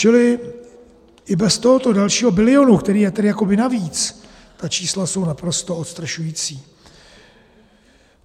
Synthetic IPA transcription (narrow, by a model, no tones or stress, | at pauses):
t͡ʃɪlɪ | ʔɪbɛst̪o̞ɦot̪o̞dalʃiːɦo̞bɪlɪo̞nukt̪ɛɾiːjɛt̪ɛdɪjako̞bɪnaviːt͡s | t̪at͡ʃiːslaso̞wnapɾo̞st̪o̞ot̪st̪raʃujiːt͡siː